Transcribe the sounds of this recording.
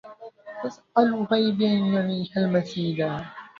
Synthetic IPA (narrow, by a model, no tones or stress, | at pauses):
t̪asʔalɣajbnjaʕiːhalmasiːla